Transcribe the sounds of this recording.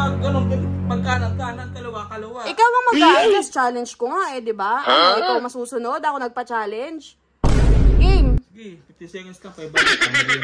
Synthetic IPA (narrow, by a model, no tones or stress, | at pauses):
ɐɡɐnoŋɡɐnmɐɡ̚kaːnɐt̪̚kaːnɐt̪̚kɐlɐwakɐlɐwaʔɪkawŋɐmɐɡaːʔɪnɐst͡ʃaːlɛnd͡ʒkoŋaʔɛd̪ɪbaʔɪkɐwmɐsuːsʊno̞d̪ʔɐko̞nɐɡ̚pɐt͡ʃaːlɛnd͡ʒ | ʔɪŋ | sɛŋɐskɐɐjb